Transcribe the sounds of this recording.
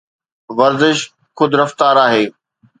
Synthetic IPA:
ʋɐɾzɪʃ | xʊd̪ɾɐft̪aːɾaːɦeː

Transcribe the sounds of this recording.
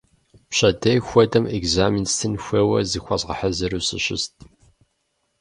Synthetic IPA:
pɕɐdɐjxʷɔdɐmeɡzaːminstʰɨnxʷɐwɐzixʷɐzʁɐħɐzɨɾuːsɨ̰ɕɪ̰st̚ʰ

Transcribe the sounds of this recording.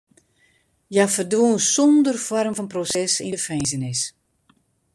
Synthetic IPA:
jafərdwuːnsɔndərfɔrmfɔnprosɛsɪəfɛjzənɪs

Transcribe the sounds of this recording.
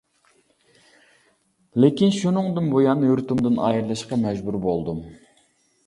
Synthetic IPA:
lɪkʲinʃunɨŋd̪ɨnbojɑːnːɨjuɾt̪umd̪ɨnɑ̰ːjɨɾlˠɨʃqɑmɛd͡ʒbuɾbolˠd̪um

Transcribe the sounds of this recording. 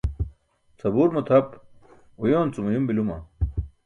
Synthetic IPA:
t͡sʰɐbuːɾmut̪ʰɐp | ujoːnt͡sumujumbilumɐ̰

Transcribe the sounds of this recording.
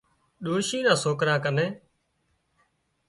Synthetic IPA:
ɗoːʃiːɗãːsoːkɾãːkənẽː

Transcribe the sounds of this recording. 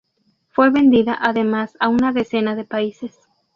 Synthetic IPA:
fwe̞βe̞nd̪iðaʔaðemasaunaðe̞se̞naðe̞paise̞s

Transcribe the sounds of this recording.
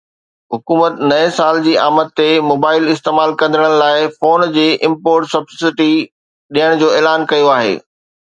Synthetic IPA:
ɦʊkuːmət̪nɐẽsaːld͡ʑiːaːməd̪̚t̪ːemoːbaːɪlɪst̪eːmaːlkɐ̃nd̪ʱəɽ̃əɽ̃laːɪfoːnd͡ʑeːʔɪ̃mpoːɾʈsɐbsɪʈi | ɗijəɽ̃d͡ʑoːeːlaːnkɐjoaːɦḛː

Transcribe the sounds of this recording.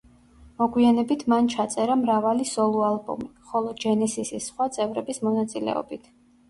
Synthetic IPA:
mɔɡwianɛbit̪ʰmant͡ʃʰat̪sʼɛɾamɾavalisɔlˠualˠbɔ̰miχɔlˠɔd͡ʒɛnɛsisisːχwat̪sʼɛvɾɛbismɔnat̪sʼilɛ̰ɔ̰bit̪ʰ

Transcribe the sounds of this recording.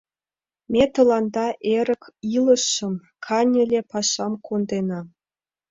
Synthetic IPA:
mʲet̪ɤ̆lˠɑnd̪ɑʔeɾʲə̆kʲilˠɤ̆ʂːɤ̆m | kʰɑnʲɘ̆lʲepɑʂːɑmkʰond̪enɑ

